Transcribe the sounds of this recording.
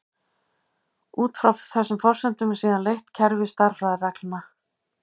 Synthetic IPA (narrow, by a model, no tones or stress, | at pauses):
uːt̪fɾawfθɛsːʏmfɔr̥sɛnt̪ʏmsiːðanlejht̪cʰɛɾvɪ̥st̪aɾ̥fɾaðɪrɛklna